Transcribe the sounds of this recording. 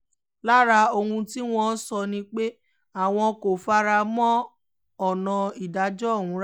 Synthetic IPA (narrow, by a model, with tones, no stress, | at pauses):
la˦ɾa˧o˧hũ˧ti˦w̃ɔ̃˦sɔ˧nĩ˧k͡pe˦ | a˦˨w̃ɔ̃˧ko˨fa˦ɾa˧mɔ̃˦ | ɔ˨nɔ̃˨˧i˨da˨˦d͡ʒɔ˦˨hũ˨˧˦ɾ